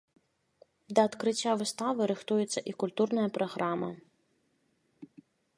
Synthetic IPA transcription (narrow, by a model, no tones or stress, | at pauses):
d̪ɐːt̪kɾɨt͡sʲːavɨst̪avɨɾɨxt̪ujɛt̪sːɐʔikulʲt̪urnɐjɐpɾɐɣɾamɐ̰